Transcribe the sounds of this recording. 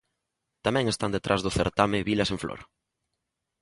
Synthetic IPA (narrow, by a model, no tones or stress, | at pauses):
t̪amɛ̃ŋest̪and̪et̪ɾʔazðʊθeɾt̪amɪβilɐseɱflo̰ɾ